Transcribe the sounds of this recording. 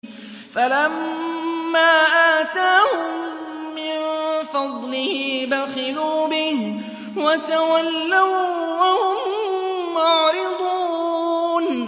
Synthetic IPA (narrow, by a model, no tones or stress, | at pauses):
falamː | aːʔat̪aːhʊmː | ɪnfɑd̪ˤlɪhɪbaxɪluːbɪh | wat̪awalːawwahʊmː | ʊʕɾɪd̪ˤuː | n